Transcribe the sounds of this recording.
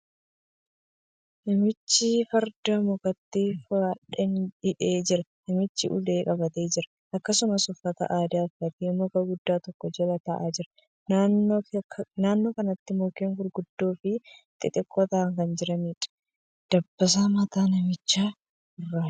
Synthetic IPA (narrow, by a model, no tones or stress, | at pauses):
nɐmɪt͡ʃːɪfɐɾd̪ɐmɔkʼɐt̪ːiːfaᶑɛnɪᶑeːd͡ʒɪɾɐnɪmɪt͡ʃːɪʔʊ̰le̞ːkʼɐbɐt̪e̞ːd͡ʒɪɾɐ | ʔɐkːɐsʊmɐsʊfːɐt̪ɐ̰ʔaːd̪aːfɐt̪iːmɔkɐɡʊd̪ːaːt̪ɔkːɔd͡ʒɛlɐt̪ɐʔaːd͡ʒɪɾɐ | nan | naːnːo̞ːkɐnɐt̪ːɪmokeːŋhʊɾɡʊd̪ːoːfɪt̪ʼɪt̪ʼɪkʼːɔt̪ɐːŋkɐnd͡ʒɪɾɐmiᶑɐ̥ | d̪̥ɐbːɐs̬aːmɐt̪aːnɐmɪt͡ʃːaː | ɪrːaː